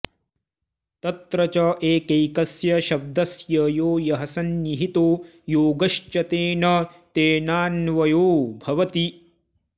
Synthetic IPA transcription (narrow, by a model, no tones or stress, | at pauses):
t̪ɐt̪ɾɐt͡ʃɐʔeːkejkɐsjɐʃɐb̚d̪ɐsjɐjoːjɐɦɐsɐnːiɦit̪oː | joːɡɐʃt͡ʃɐt̪eːnɐt̪eːnaːnʋɐjoːbʱɐʋɐt̪i